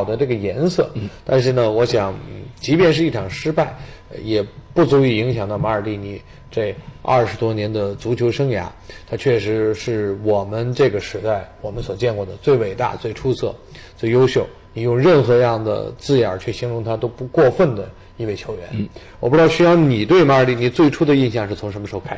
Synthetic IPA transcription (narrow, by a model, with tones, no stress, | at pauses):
ʊd̪ə˦ʈ͡ʂɤ˥˩ɡə˩jɛ˧˥nsɤ̰˥˩t̪a˥˧nʂ̬ɻ̩˥˩nə˩wɔ˧˥ɕjɑ˨˩˦ŋ̩˨˩t͡ɕi˧˥pjɛ˥˧nʂɻ̩˥˧i˥˩ʈ͡ʂʰɑ˨˩ŋʂɻ̩˥pa˥˩ɪjɛ˨˩pu˥˩t͡su˧˥i˥˩i˧˥ŋɕjɑ˨˩ŋt̪ɑ˥˩ma˧˥ə˞˨˩li˥˩ni˨˩ | ʈ͡ʂe˥˧ɪɐ̰˥˩ʂɻ̩˧˥t̪wɔ˥njɛ˧˥nd̪ə˧t͡su˧˥t͡ɕʰjo˧˥ʊʂɤ˥ŋja̰˧˥ | t̪ʰa˥t͡ɕʰɥɛ˥˩ʂɻ̩˧˥ʂɻ̩˥˩wɔ˨˩mə˦nʈ͡ʂɤ˥˩ɡə˩ʂɻ̩˧˥t̪a˥˩ɪwɔ˨˩mə˦nswɔ˨˩t͡ɕjɛ˥˧nkwɔ˥˩d̪ə˩t͡swe˥˩ɪwe˨˩ɪt̪a̰˥˧t͡swe˥˩ɪʈ͡ʂʰu˥t͡sʰɤ̰˥˩ | t͡swe˥˩ɪjo˥ʊɕjo˥˩ʊ | ni˨˩jʊ˥˧ŋɻə˥˩nxɤ˧˥˧jɑ˥˩ŋd̪ə̰˩t͡sɹ̩˥˩a̰˞˨˩t͡ɕʰɛ˥˩ɕi˧˥ŋɻʊ˧˥ŋt̪ʰa˥t̪o˥ʊpu˧˥kwɔ˥˧fə˥˩nd̪ə˩ | i˥˧we˥˩t͡ɕʰjo˧˥ʊɥɛ̰˧˥nn˩wɔ˨˩p̩̪˧˥˧ɑ˥˧ʊɕy˥jɑ˥˩ʊni˨˩t̪we˥˩ɪma˧˥ə˞˨˩t̪i˥˧˩ni˥˩t͡swe˥˩ɪʈ͡ʂʰu˥d̪ə˨˧i˥˧nɕjɑ˥˧ŋʂɻ̩˥˩t͡sʰʊ˧˥ŋʂə˧˥mə˧˥xo˥˧kʰa˥